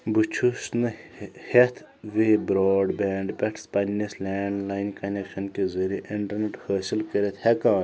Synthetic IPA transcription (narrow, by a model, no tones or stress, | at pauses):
but͡ʃʰusnɨhet̪ʰ | ʋeːbɾoːɖbɛːɳɖpʲeʈʰspɐnʲːislʲɛːɳɖlaːjnʲkɐnekʃɐnkezɐɾiʔiɳʈɐɾneʈhəːsilkəɾʲet̪hekãːn